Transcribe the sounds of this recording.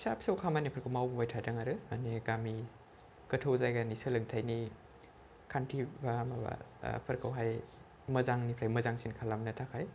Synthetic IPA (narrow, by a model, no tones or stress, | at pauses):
sapʰsawkʰamanipʰəɾkʰɯwmawbubajtʰataŋaɾɯma̰neɡami | kɐtʰowzajɡanisɯlɯŋtʰajni | kʰantʰibamaba̰pʰɐɾkʰawɦaj | mɐzaŋnipʰɾajmɐzaŋsinkʰalamnɐtʰakʰaj